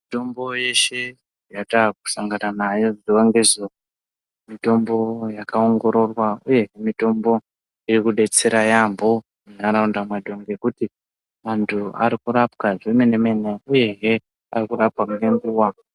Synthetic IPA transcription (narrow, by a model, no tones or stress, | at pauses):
ito̞mbo̞je̞ʃe̞ | jataku̥saŋɡananajo̞ziwaŋɡezo | mito̞mbo̞jakao̞ŋɡo̞ɾo̞rwauje̞ɦemito̞mbo̞ | iɾikuɗe̞t͡se̞ɾajambo̞ | munaɾaundamwadʱo̞ŋɡe̞kuti | mantʰua̰ɾikuɾapkaʐemeneme̞ne̞uje̞ɦe̞ | a̰rikuɾapwamunembiwa